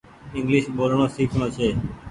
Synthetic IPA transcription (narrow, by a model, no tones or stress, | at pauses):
ɪŋɡliʃbolɳoːsikʰnot͡ʃʰeː